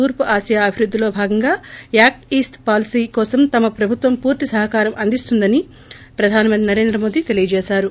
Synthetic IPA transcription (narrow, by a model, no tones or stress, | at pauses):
uːɾpuʔaːsjaɐbʱiɾud̪ːilo̞ːbʱaːɡɐŋɡaːjaːk̚ʈiːsʈpaːlisiːkɔːsɐmt̪ɐmɐpɾɐbʱut̪ʋɐmpuːɾt̪isɐɦɐkaːɾɐmʔɐnd̪ist̪und̪ɐni | pɾɐd̪ʱaːnɐmɐnt̪inɐɾe̞ːnd̪ɾɐmo̞ːd̪it̪e̞lijɐd͡ʒɛːʃaːɾu